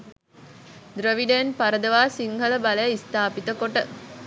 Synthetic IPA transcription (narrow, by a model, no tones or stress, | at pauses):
d̪ɾəʋiɖenpaɾəd̪əʋaːsiŋɦələbalejist̪aːpit̪əkoʈə